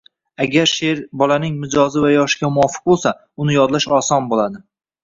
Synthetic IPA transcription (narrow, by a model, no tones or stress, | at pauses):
aɡʲaɾʃeɾbɒlanɪŋmɪd͡ʒɒzɪvajɒʃɪ̥ɡʲamʊwɒfɨ̥q̚bolˠsa | ʊnɪjɒd̪laʃɒsɒnbolad̪ɪ